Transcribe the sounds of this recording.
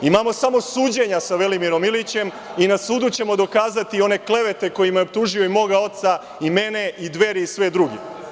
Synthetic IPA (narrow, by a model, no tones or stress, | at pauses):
imamo̞samo̞suːd͡ʑe̞ɲasaʋe̞limiɾo̞milit͡ɕe̞m | inasuːd̪ut͡ɕe̞mo̞d̪o̞kaːzat̪io̞ne̞kle̞ʋe̞t̪e̞ko̞jimajeop̚t̪uːʒioimo̞ɡao̞t̪sa | ime̞ne̞id̪ʋe̞ɾiisʋed̪ɾuɡḭ